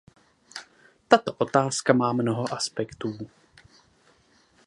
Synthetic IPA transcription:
t̪at̪o̞ʔo̞t̪aːskamaːmnoɦoʔaspɛkt̪uː

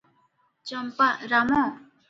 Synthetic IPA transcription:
t͡ɕəmpaɾamo

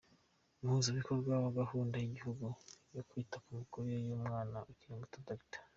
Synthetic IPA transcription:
mhuzaβikoɾɡɡwaβaɡahuːndajiɟihuɡujokwitakumikuɾujejuːmŋaːnaʔukiɾemɡotadaitḁ

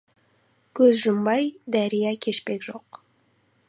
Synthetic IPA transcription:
kʰɵzʒʊmbɑjd̪æɾijækʲʰe̞ʃpekʒoq

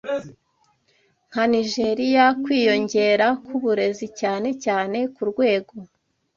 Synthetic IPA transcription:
ŋ̥haniʒe̞ɾijakwiːjo̞ɲɟe̞ːɾakʰuβuɾe̞zicaːne̞caːne̞kuɾɡwe̞ːɡo̞

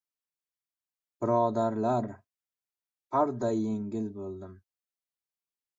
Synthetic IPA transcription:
b̥ɪɾɒd̪aɾlaɾ | haɾd̪ajːe̞ŋɡʲɪlbolˠd̪ɪm

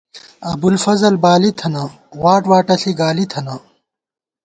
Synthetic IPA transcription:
ɐbulfɐzɐlbaːlit̪ʰɐnɐ | waːʈwaːʈɐɬiɡaːlit̪ʰɐnɐ

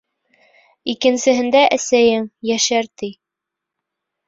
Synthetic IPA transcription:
ikɘ̆nsɘ̆ɦɘ̆nd̪æʔæsæjɘŋjæʃæɾt̪i

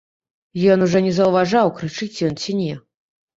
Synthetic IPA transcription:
jɔnuʐɔnʲɛzɐwvaʐawkɾɨt͡ʂɨt͡sʲjɔnt͡sʲinʲɛ

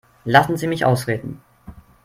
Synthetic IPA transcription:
lasn̩ziːmɪçʔa̰ʊsʁeːdn̩

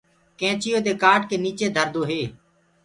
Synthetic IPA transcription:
kɛ̃ːt͡ʃɪjoːd̪eːkaːʈ̚keːniːt͡ʃeːd̪ʱəɾd̪oːɦeː

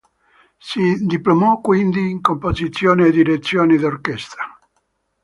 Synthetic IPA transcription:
sid̪iplomɔkːwind̪iːŋkompozit̪sːjoːneːd̪iɾet̪sːjoːnid̪orkɛst̪a

